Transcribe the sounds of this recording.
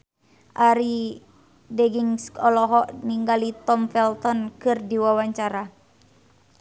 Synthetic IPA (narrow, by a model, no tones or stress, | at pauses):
ʔaɾi | dɛɡiŋskɔlɔɦɔʔniŋɡalit̪ɔmfɛlt̪ɔnkɨrdiwawaɲt͡ʃaɾa